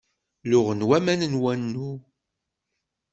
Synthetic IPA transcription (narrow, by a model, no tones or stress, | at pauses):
lʊʁənwæmænənwænːu